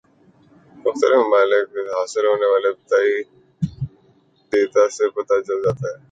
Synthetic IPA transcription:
mʊxt̪ə̰ɾɪfmʊbaːlɪkɦaːsɪlɦoːneʋaːlept̪aːi | d̪eːt̪asepɐt̪at͡ʃɐld͡ʒaːt̪aɦɛː

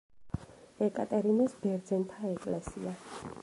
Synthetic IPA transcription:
ɛkʼa̰t̪ʼɛɾinɛsbɛɾd̪zɛnt̪ʰaɛkʼlɛsḭa

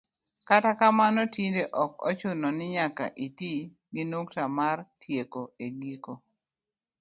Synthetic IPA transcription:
katakamanɔtindeʔɔkɔ̰t͡ʃʊnɔnɪɲaka̰ʔiti | ɡɪnuktamartʰjekoeɡiko

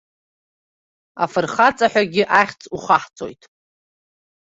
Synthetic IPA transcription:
a̰fɨrχat͡sʼaħʷᶣaɡʲɪʔaχʲt͡sʼuχaħt͡sʼo̞̰jtʼ

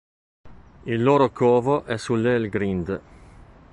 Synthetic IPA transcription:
ilːoːɾokoːvoʔɛsulːelɡɾind̪

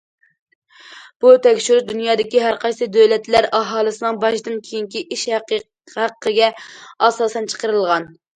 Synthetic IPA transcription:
b̥ut̪ʰɛkʲʃyɾd̪ynjɑːd̪ɪkʲiɦæɾqʰɑjsɨd̪ølɛt̪læɾʔɑɦɑːlˠɨsɨnɨŋbɑʃd̪ɨnkʲʰejiŋkʲiʔiʃhæq | hæqʰːəɡʲɛɑsɑːsɛnt͡ʃʰə̥qəɾɨlˠʁɑn

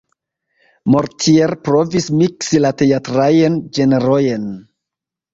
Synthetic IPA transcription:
mo̞ɾtʰieɾpɾo̞vismiksilate̞atɾajend͡ʒe̞neɾojen

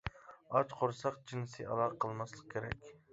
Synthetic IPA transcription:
ɑt͡ʃqʰoɾsɑqd͡ʒinɨsɨʔɑ̰lˠɑʁqʰəlˠmɑslˠəq̚kʲʰeɾɛ̰kʲ

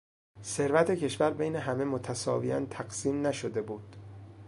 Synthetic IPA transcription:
se̞ɾvæt̪ʰe̞cʰe̞ʃvæɾbejne̞ɦæme̞mot̪ʰæsɒ̰ːviænt̪ʰæɡsiːmnæʃod̪e̞buːd̪̥

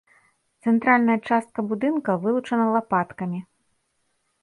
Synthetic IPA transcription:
t̪sɛnt̪ɾalʲnɐjɐt͡ʂast̪̚kɐbud̪ɨnkɐvɨlˠut͡ʂɐnɐlˠapat̪kɐmʲi

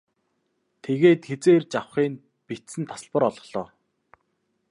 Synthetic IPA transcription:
t̪ʰeɣeːt̪xet͡seːrt͡ɕawχiːn | pit̪sɘ̆nt̪ʰḁsə̆ɮpə̆ɾɔɮɞ̆χɮ̥ɔː

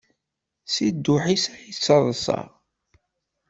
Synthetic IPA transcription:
sid̪ːʊħisæjit͡sːɑðˤəsɑ̰

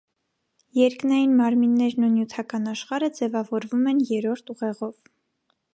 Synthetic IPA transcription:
jɛɾknɑjinmɑɾminːɛɾnunjut̪ʰɑkɑnɑʃχɑɾəd͡zɛvɑvɔɾvumɛnjɛɾɔɾt̪ʰuʁɛʁɔv

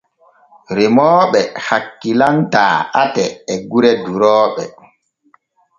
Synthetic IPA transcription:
ɾimɔːɓɛhakːilanta̰ːatɛːɡuɾɛduɾɔːɓɛ

